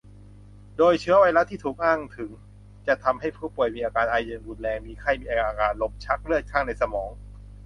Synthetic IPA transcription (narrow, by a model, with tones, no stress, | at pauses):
doː˧jt͡ɕʰɯ˦˥ɐwaː˧jla˦˥t̪ʰiː˥˩t̪ʰuː˨˩k̚ʔaː˥˩ŋt̪ʰɯ˩˦ŋ | t͡ɕa˨˩t̪ʰa˧mɦa˥˩jpʰuː˥˩pu˨˩əjmiː˧ʔaː˧kaː˧nʔaː˧jɯː˧nbu˨˩n̚lɛː˧ŋmiː˧kʰa˥˩jmiː˧ʔa˧ʔaː˧kaː˧˩nlo˦˥p̚t͡ɕʰa˦˥k̚ɾɯ˥˩ət̪̚kʰa˥˩ŋna˧jsa˧mɔː˩˦ŋ